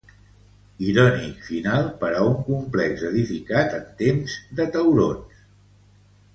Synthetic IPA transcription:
iɾɔnikfinalˠpəɾauŋkumplɛkzəðifikat̪ənt̪emzðət̪əwɾons

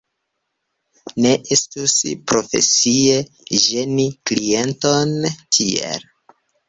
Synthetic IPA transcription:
ne̞ʔestuspɾo̞fe̞̰sie̞ | ʒe̞niklie̞ntontʰiḛl

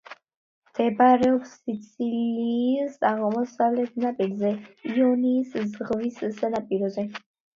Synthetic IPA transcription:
md̪̥ɛbaɾɛɔpsːit̪sʼʰiliːsaʁmɔsavlɛt̪̚ʰnapʼilzɛiɔniːszʁvisːanapʼiɾɔzɛ

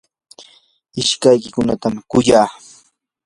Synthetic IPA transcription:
ɪʃkajkɪkʊnat̪amkʊjaː

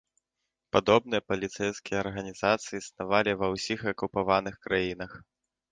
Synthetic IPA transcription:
pad̪ɔb̚nɨjɐpɐlʲit̪sɛjskʲijɐɐrɣɐnʲizat̪sɨjisnavalʲivɐwsʲixɐkupavanɨxkɾajin̪ɐx

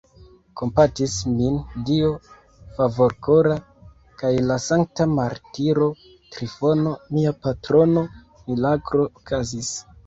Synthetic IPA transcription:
ko̞mpatismindio̞ | favo̞ɾkoɾa | kajlasaŋk̚tamaɾtiɾo̞ | tɾifo̞no̞miapatɾo̞no | milaɡɾo̞okʰazis

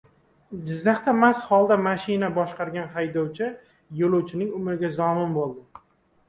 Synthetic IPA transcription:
d͡ʒɪzːaχt̪ʰamasχɒlˠd̪amaʃɪnabɒʃqɑɾɡʲanɦajd̪ɒwt͡ʃʰɪ | jolˠowt͡ʃʰɪnɪŋʊmɾɪɡʲazɒmɪnbolˠd̪ɪ

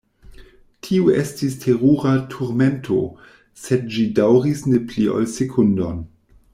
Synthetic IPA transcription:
tʰiuestistʰeʁuʁatʰuɾmentʰo̞̰ | sed̚d͡ʒidawʁisneplio̰lsekʰundon

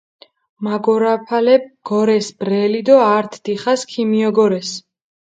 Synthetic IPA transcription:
maɡɔɾapʰalɛb̚ɡ̥ɔɾɛsbɾɛlid̪ɔaɾt̪ʰd̪̥iχaskʰimiɔɡɔɾɛs

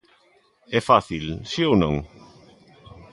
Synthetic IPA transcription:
ɛfaθilsiownõ̰ŋ

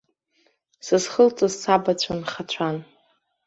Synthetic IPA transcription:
sɨzχəlt͡sʼɨzsabat͡ɕʷʰanχat͡ɕʷʰan

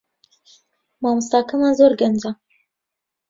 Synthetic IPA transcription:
mɑːmɨst̪ɑːkamazoːɾɡɐnd͡ʒa

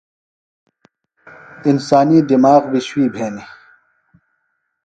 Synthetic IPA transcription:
insaːniːd̪imaːɣbiɕwiːbʱeːni

